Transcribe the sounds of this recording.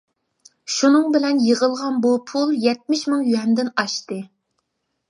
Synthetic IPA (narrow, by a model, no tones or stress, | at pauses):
ʃunɨŋbɪlɛnjəʁəlˠʁɑnbupʰulˠjɛt̪̚mɪʃmɨŋjyhɛmd̪ɪnɑʃt̪ɨ